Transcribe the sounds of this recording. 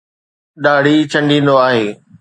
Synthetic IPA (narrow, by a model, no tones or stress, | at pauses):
ɗaːɽ̤it͡ɕʰɐ̃ɳɖʱĩːnd̪oaːɦeː